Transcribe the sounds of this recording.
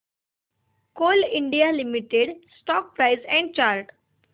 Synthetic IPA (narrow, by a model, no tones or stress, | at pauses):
koːlɪ̃ɳɖijalimiʈeɖsʈɔːk̚pɾaɪzɛ̃ɳɖ̚t͡ʃaːɾʈ